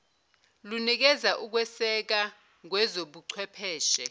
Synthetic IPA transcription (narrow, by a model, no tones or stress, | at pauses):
lunik̬ɛzaʔuk̬wɛsɛk̬a | k̬wɛzoɓuǀʰwɛpʰɛːʃɛ